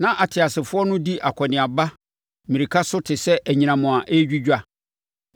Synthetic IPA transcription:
nã˦ʔa˨tʰɪ˨a˨sɪ˨fʊ˦ɔ˦nʊ̃˦di˦ʔa˨kʷʰɔ˨nɪ̃˨a˨ba˦ | mĩ˨ɾi˨kʰa˦sʊ˦tʰɪ˨sɛ˦ʔæ˨ɲĩ˨ñã˨mʊ̃˨a˨ʔe˦d͡ʑᶣi˦d͡ʑᶣa˨

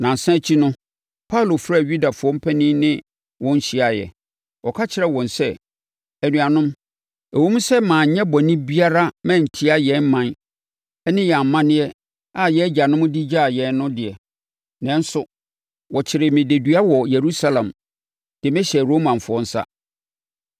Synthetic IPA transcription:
nã˨n˨sã˦t͡ɕʰi˦nʊ̃˦ | pʰa˦u˨lo˨fɾa˦˨ɥu˦da˨fʊ˨˦ɔ˦m̩˦pʰɛ˦nĩ˦nɪ̃˦ | wɔ̃˦n̩˦ɕi˦a˨jɛ̰˨ | wɔ˨kʰa˦t͡ɕʰɪ˨˦ɾɛ˦˨wɔ̃˨nsɛ˦ | æ˨nũ˨a˨nʊ̃˦m | æ˨wũ˦m˦sɛ˦mãː˨ɲɛ̃˦bɔ˨nĩ˦bi˦a˦ɾa˦mɛ̃˦˨n̩˨tʰi˦a˨jɛ̃˨˦n˦mã˨n | ɛ˦nɪ̃˦jɛ˨a˨m˨mːã˦nɪ̃˦ɛ˦ | a˦˨jɛ˦d͡ʑa˨nʊ̃˦m̃˦di˦d͡ʑa˦˨jɛ̃˨n˦nʊ̃˦dɪ˨ɛ˨ | nɛ̃˦n˦sʊ˦ | wɔ˨t͡ɕʰɪ˨ɾɪ˨mɪ̃˨de˨dɥa˦wɔ˨je˨ɾu˦sa˦lã˨m | d̥ɪ˨mɪ̃˦ɕɛ˨ɾo˦mã˨fʊ˨˦ɔ̃˦n̩˦sa̰˦

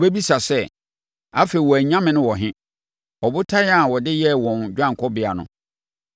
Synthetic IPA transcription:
be˦bi˦sa˨sɛ˦ | a˦fe˨i˨wɔ˨æ˨ɲã˦mɪ̃˨nʊ̃˦wɔ˨ɦɪ̃˦ | ɔ˨bʊ˦tʰa˦ja˦˨wɔ˨dɪ˦jɛ˦wɔ̃˨nd͡ʑᶣã˦ŋ˨kʰɔ˦bɪ˨a̰˨nʊ̰̃˨

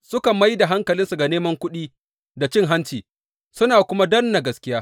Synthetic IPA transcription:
sʊ˦ka˨mɐ˦jda˨ɦa˦ŋkɐ˨lɪ˦nsu˨ɡa˨neː˦mɐ˦ŋkʷʊ˦ɗiː˦ | da˨t͡ʃɪ˦ŋɦa˦nt͡ʃiː˨ | sʊ˦naː˨kʷʊ˦ma˦dɐ˦nːa˨ɡɐ˨˦skʲɪ˦jaː˦

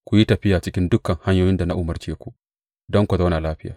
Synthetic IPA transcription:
kʷu˨ji˦tɐ˨ɸɪ˦jaː˨t͡ʃɪ˦kʲɪ˦ndʊ˦kːɐ˨ŋha˦ɲjoː˦jɪ˦nda˨na˦ʔu˦mɐ˨rt͡ʃeː˦kʷu˨ | dɔ˦ŋkʷu˨za˦na˨laː˦ɸɪ˦jaː˨

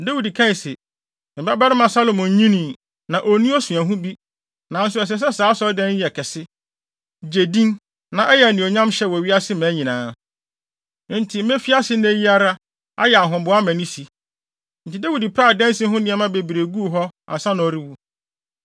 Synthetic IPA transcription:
da˦wi˨di˨kʰã˦˨se˨ | m̩˨ba˦ba˦ɾɪ˦mã˨sa˦lo˨mɔ̃˨ɲ̩˦ɲĩ˦nĩ˨ | nã˨ʔo˨nũ˦ɔ˦sũ˨ã˨ɦʊ̃˦bi˦ | nã˨n̩˦sʊ˦ɛ˨s̬ɛ˨˦s̬ɛ˦saː˨˦sɔ˦dɛ̃˦n˦˨ɛ˨kʰɛ˨sɪ˦ | d͡ʑe˨dĩ˦n | nã˨ʔɛ˦jɛ˨nĩ˨o˨ɲã˦mɕɛ˦wɔ˨ɥi˦a˦sɪ˦mæ̃˨˦ɲĩ˨nãː˨˦ | n̩˦tʰi˨m̩˦mẽ˦fi˦a˦sɪ˦nẽ˦ji˦a˦ɾa˦ | a̰˦jɛ˨a˨ɦʊ̃˨bʊ˨˦a˦mæ̃˨nĩ˦si˨ | n̩˨tʰi˨da˦wi˨di˨pʰɾaː˦˨dɛ̃˦n˦si˦ɦʊ̃˦nɪ̃˨˦ɛ˦mã˦be˨bi˨ɾe˨ɡu˦˨ɦɔ˦a̰˨sã˦nʊ̃˨ɔ˨ɾi˦wu˦

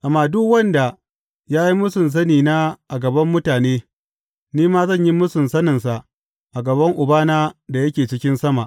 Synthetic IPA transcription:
ʔa˨mːaː˨dʊ˦kwɐ˦nda˨ | jaː˦ji˦mʊ˦sʊ˨ns̬ɐ˦niː˨naː˦ʔa˨ɡɐ˨bɐ˦mːʊ˦taː˨neː˦ | niː˦maː˦zɐ˦˨ɲji˦mʊ˦sʊ˨nsɐ˦nɪ˨nsa˨ʔ | ʔa˨ɡɐ˨bɐ˦ŋʔʊ˨baː˦naː˦da˨jɐ˦kʲeː˨t͡ʃɪ˦kʲɪ˦nsɐ˦ma˨ʔ

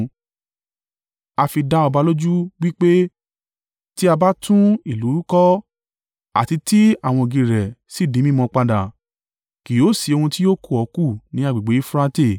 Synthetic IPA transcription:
a˧fi˧da˦ɔ˧ba˧lo˦d͡ʒu˦wi˦k͡pe˦ | ti˦a˧ba˦tũ˦i˦˨lu˨˦ɾu˦kɔ˦ | a̰˨ti˧ti˦a˦˨w̃ɔ̃˧o˨ɡĩ˧ɾɛ˨si˦˨dĩ˨˦mĩ˦˨mɔ̃˧k͡pa˧dã˨ | ki˨o˨˦˨si˨˧o˧hũ˧ti˦o˦ku˦˨ɔ˨˦ku˦˨nĩ˨˦a˦˨ɡ͡bi˨ɡ͡be˨˦i˦fɾã˦te˦˨

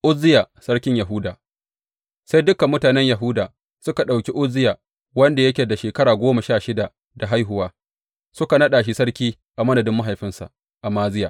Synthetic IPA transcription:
ʔʊ˦zɪ˦jaː˨sɐ˦ɽkʲɪ˦ɲja˨ɦʊ˦daː˨ | sa˦jdʊ˦kːa˨mːʊ˦taː˨nɛ˦ɲja˨ɦʊ˦daː˨ | sʊ˦ka˨ɗa˨wkʲi˦ʔʊ˦zːɪ˦jaː˨ | wɐ˦nda˨jɐ˦kʲe˨da˨ʃeː˨kɐ˦ɽaː˨ɡʷoː˦ma˨ʃaː˦˨ʃɪ˦da˨ʔ | da˨ɦa˦jɦʊ˨waː˦ | sʊ˦ka˨nɐ˦ɗaː˨ʃ̬i˦sɐ˦ɽkʲiː˦ | ʔa˨mɐ˦nɐ˨dɪ˦mːa˦ɦa˨jɸɪ˦nsa̰˨ | ʔa˨maː˦zɪ˦jaː˨

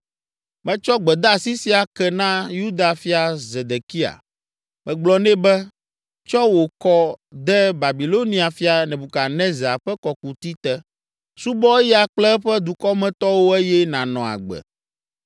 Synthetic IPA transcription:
mɛ̃˦t͡ʃɔ˦ɡ͡bɛ˨d̪a˦˨si˦si˦a˨kɛ˨nã˦ju˦d̪a˨fi˦a˨ze˨d̪e˨ki˦a̰˨ | mɛ̃˨ɡ͡blɔ˦nɛ̃˦bɛ˦ | t͡ʃɔ˦wo˨kɔ˦d̪ɛ˦ba˨bi˨lo˦nĩ˦a˨fi˦a˨nɛ̃˨bu˨ka˨nɛ̃˦za˨ɸɛ˦kɔ˨ku˨t̪i˦t̪ɛ˦ | su˦bɔ˦ɛ˦jɛ˦a˨k͡plɛ˦ɸɛ˦d̪u˨kɔ˦mɛ̃˦t̪ɔ˦wo˦ɛ˦jɛ˦nã˨nɔ̃˨a̰˨ɡ͡bɛ̰˨

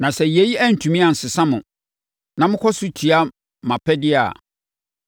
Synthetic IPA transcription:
nã˨sɛ˨je˨ji˦æ˦n̩˨tʰũ˨mĩ˦a˨n̩˨sɪ˨sã˦mʊ̃˨ | nã˨mʊ̃˦kʰɔ˦sʊ˦t͡ɕʰi˨a˦ | mã˨pʰɛ˦dɪ˦a̰˨

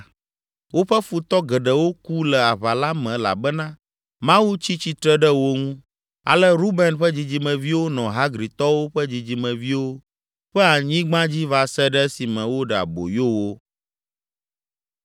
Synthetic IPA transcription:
wo˦ɸɛ˦fu˨t̪ɔ˦ɡɛ˨ɖə˨wo˦ku˦lɛ˨a˨βa˨la˦mɛ̃˨la̰˨bɛ˦nã˦ | mã˦wu˦t͡ɕi˦t͡ɕi˦t̪ɾɛ˦ɖə˦wo˦ŋũ˦ | a̰˨lɛ˦ɾu˦bɛ˨nɸə˦d͡ʑi˨d͡ʑi˨mɛ̃˨vi˦wo˦nɔ̃˨ɦa˦ɡɾi˨t̪ɔ˦wo˦ɸɛ˦d͡ʑi˨d͡ʑi˨˦mɛ̃˨vi˦wo˦ | ɸɛ˦a˨ɲĩ˦ɡ͡bã˦d͡ʑi˦va˨sɛ˦ɖɛ˦si˨mɛ̃˨wo˦ɖɛ˨a̰˨bo̰˨jo˦wo˦

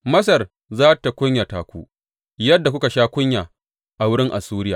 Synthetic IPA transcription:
mɐ˦s̬ɐ˨r | zaː˦ta˨kʷʊ˦ɲja˨taː˨kʷuː˦ | jɐ˦dːa˨kʷʊ˦ka˨ʃaː˦kʷʊ˦ɲjaː˨ | ʔa˨wʊ˦ɽɪ˦ŋʔa̰˨suː˦ɾɪ˦jaː˨

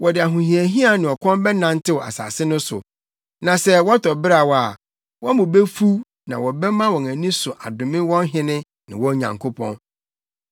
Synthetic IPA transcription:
wɔ˨dɪ˨a˨ɦũ˨hĩ˨æ˨ɦĩ˦a˨nɪ̃˨ɔ˨kʰɔ̃˦mbɛ˦nã˦n˦tʰɪ˦wɔ˨a̰˨sa̰ː˨sɪ˦nʊ̃˦sʊ̰˨ | nã˨sɛ˦wɔ˦tʰɔ˨bɪ˦ɾa˨wɔ˨˦a˨ | wɔ̃˦mʊ̃˨be˦fu˦ | nã̰˨wɔ˨bɛ˦mã˦wɔ̃˨næ̃˨nĩ˦sʊ˨ʔa˨dʊ̃˨mɪ̃˦wɔ̃˦n˦ɦɪ̃˦nɪ̃˦ | nɪ̃˨wɔ̃˦ɲã̰˨ŋkʰo˦pʰɔ̰̃˦n

